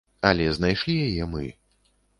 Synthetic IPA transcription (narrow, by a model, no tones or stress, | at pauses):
ɐlʲɛznajʂlʲijajɛmɨ̰